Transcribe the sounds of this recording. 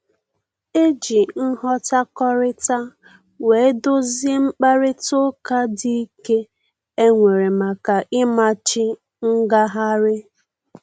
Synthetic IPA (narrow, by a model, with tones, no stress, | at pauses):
e˦d͡ʒi˨n̩˦ɦɔ˦ta˦kɔ˦ɾɪ˦ta˦ | we˨e˦dʊ˦ze˦ŋ͡m̩˦k͡pa˦ɾɪ˦tʊ˦ka˦di˦i˦ke˦ | e˦ŋʷe˨ɾe˨ma˨ka˨ʔɪ˦ma˨t͡ʃɪ˦ | ŋ̩˦ɡa˦ɦa˦ɾɪ˦